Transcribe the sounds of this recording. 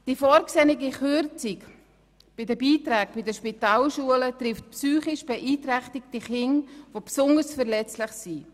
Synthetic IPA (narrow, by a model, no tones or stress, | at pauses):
d̥ifɔːɾksɛnɪɡiχøɾt͡sik | b̥ɪdəbiːtɾɛːk̚b̥ɪdəʃpitaːlʃuələtɾɪftpsyːχɪʃb̥ɛʔiːtɾɛχtɪktiχɪŋvopsʊndəsfəɾlɛt͡slɪχsi